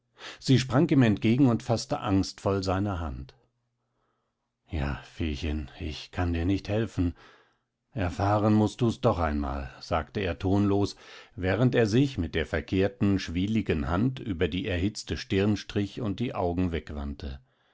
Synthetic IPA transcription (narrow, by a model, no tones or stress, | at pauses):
z̥iːʃ̬pʁ̥aŋiːmɛntɡ̥eːɡŋ̩ʊntfastə̰ʔaŋstfɔlzaɪnɐɦant | ja̰ːfeːçə̰nɪçkʰandiːɐnɪçthɛlfn̩ | ʔɛɐfaːʁənmʊst̚d̥uːsd̥ɔχaɪnma̰ːlz̥aːktəeːɐtʰoːnloːsvɛːʁ̞ənteːɐzɪçmɪt̚d̥eːɐfɛɐkʰeːɐtn̩ʃv̥iːlɪɡənhantʔy̰ːbɐdiːʔɛɐhɪt͡stəʃtɪɐnənʃtʁ̥ɪçʊnt̚d̥iːʔa̰ʊɡŋ̩vɛkv̥a̰ntʰə